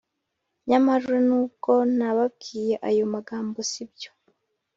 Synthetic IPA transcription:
ɲamaɾuɾenuːb̚ɡo̞naβab̚ɡiːje̞ʔajomaɡaːmbo̞sibɟo̥

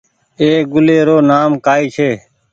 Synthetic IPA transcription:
eːk̚ɡʊleːɾoːnaːmkaːiːt͡ʃʰeː

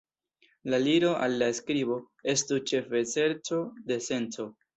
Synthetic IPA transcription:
laliɾo̞ʔa̰lːaeskɾibo̞ | e̞stut͡ʃe̞fe̞se̞ɾt͡so̞de̞se̞nt͡so̞

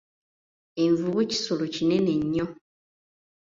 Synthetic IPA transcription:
eɱvuβuci̥solucine̞ne̞ɲːo

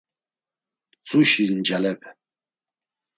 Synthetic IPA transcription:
t͡sʼuʃiznd͡ʒalɛpʰ

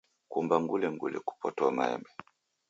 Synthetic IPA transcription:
kumbaŋɡulɛŋɡulɛ̰ku̥pɔtɔamaɛ̰mbɛ

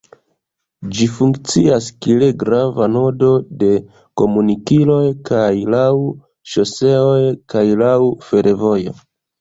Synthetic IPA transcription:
d͡ʒifuŋkt͡siaskileɡɾavano̞do̞de̞ | ko̞munikilo̞jkajlaw | ʃo̞se̞o̞jkajlawfe̞ɾʔevo̞jo̞̰

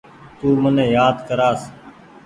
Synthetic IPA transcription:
t̪uːmənẽːjaːd̪kəɾaːs

